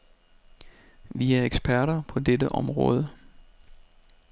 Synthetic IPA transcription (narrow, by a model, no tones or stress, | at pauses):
ʋiæɐeɡ̥sb̥ʰæɐɾɐpʰɒ̽dedəʔɒ̽mʁɔ̰ːð̞ˠə